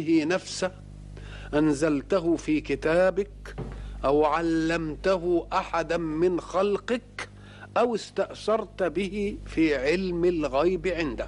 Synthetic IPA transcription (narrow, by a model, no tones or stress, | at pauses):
hɪnafsa | ʔanzalt̪aɦʊfiːkɪt̪aːbɪkʔawʕalːamt̪aɦʊʔaħad̪amɪnxalqɪk | ʔawɪst̪aʔʃɑɾˤt̪bɪhɪfiːʕɪlmalɣajbʕɪnd̪ɪ